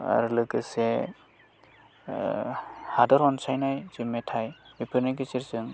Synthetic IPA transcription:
a̰ɾulɯkɯse | hadɔɾɔnsajnajzimːetʰajbipʰɯɾnajɡ̬ɯt͡ʃiɾzɯŋ

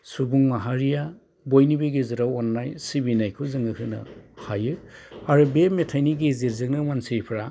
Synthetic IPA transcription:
subuŋmaɦaɾija | bojnibeɡezɯɾawanːajsibinajkʰuzɯŋɯhʰɯnɐ̰hajɯaɾubemetʰajniɡeziɾzɯŋnɯmansiɾpʰɾa

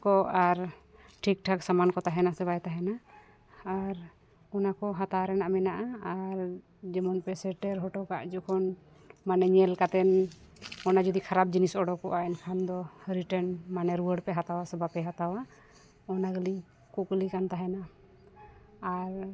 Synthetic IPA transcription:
kɔaɾ | ʈʰik̚ʈʰaksamankɔt̪aɦɛnasɛβajt̪aɦɛnaː | ɾ | ɔnakɔɦat̪aɾɛnaʔmɛnaʔaaɾ | d͡ʒɛmɔnpɛsɛʈɛɾɦɔʈɔka̰ʔd͡ʒɔkʰɔn | manɛɲɛlkat̪ɛn | ɔnad͡ʒɔd̪ikʰaɾap̚d͡ʒinisɔɖɔkɔʔaɛnkʰand̪ɔhəɾiʈɛnmanɛɾuwəɖpɛɦat̪awasɛbapɛɦat̪awa | ɔnaɡəli | kuklikant̪aɦɛna | ɾ

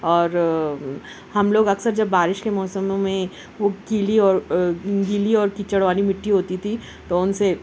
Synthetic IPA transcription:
ɔːɾ | hɐmloːɡɐksəɾd͡ʒɐbːaːɾɪʃkemɔːsəmːẽ | ʋoɡiːliɔːɾɡiːliɔːɾkit͡ʃəɽʋaːlimɪʈːiɦoːt̪it̪ʰi | t̪oʊnse

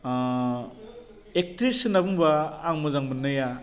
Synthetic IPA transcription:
ek̚tɾisɯnabuŋbaːŋmɯzaŋmɯnːɯja

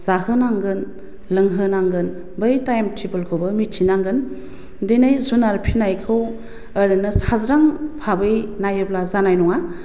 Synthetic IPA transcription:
z̥ahɯnaŋɡɯn | lɯŋɦɯnaŋɡɯn | bɯjtajmtʰibɯlkʰowbɯmitʰinaŋɡɯn | denajzunaɾpʰinajkʰɯw | əɾɯnɯsazɾaŋpʰabɯjnajɯblazanajnɔŋa

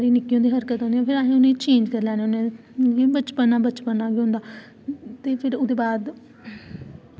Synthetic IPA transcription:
saːɾiːnɪkːijõːd̪iːɦəɾkət̪ɦõnd̪iɛ̃ːpʰɪɾaːɦẽːʊnẽːt͡ʃẽːɲd͡ʒkəɾlɛ̃ːneʊnẽ | ibət͡ʃpənãːbət͡ʃpənãːbiːɦʊ̃nd̪aː | t̪eːpʰɪɾʊd̪eːbaːd̪

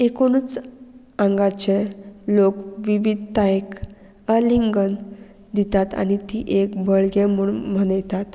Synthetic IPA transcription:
ekoñut͡s | ãŋɡat͡ɕelokʋiʋid̪ʱt̪aek | əliŋɡən | d̪it̪at̪a̰ñit̪iʔekbəɭɡemuɭmənəjt̪at̪

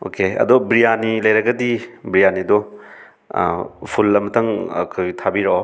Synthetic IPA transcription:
o̰keɐ̰dɔbɾijanilɐjɾɐɡɐdibɾijanidɔ̰ | pʰulːɐmɐtʰɐŋɐ̰kʰojtʰabiɾo

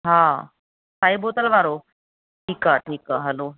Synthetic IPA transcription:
ɦã | saibot̪əlʋaɾo | ʈʰiːkaʈʰiːkaɦəlo

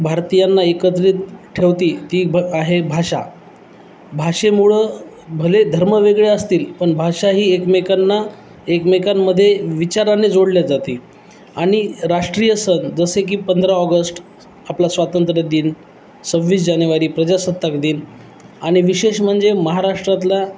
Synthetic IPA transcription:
bʱaɾt̪ijanːaekət̪ɾiːt̪ʈʰeʋt̪iːt̪iːaɦebʱaʂa̰ | bʱaʂemuɭə | bʱəled̪ʱəɾməʋeɡɭeəst̪iːlpəɳbʱaʂaɦiːekmekanːa | ekmekamːəd̪ʱːjeʋit͡ɕaɾanːed͡zoɽljad͡zat̪iː | aɽ̃iɾaʂʈɾijəsənd͡zəsek̬iːpənd̪ɾaɔɡəsʈ | aplasʋat̪ənt̪ɾəd̪iːn | səbʋiːs̬d͡ʑanjuʋaɾiːpɾəd͡ʑasət̪ːakd̪iːn | aɽ̃iʋiɕeɕm̤əɳd͡zeməɦaɾaʂʈɾat̪la

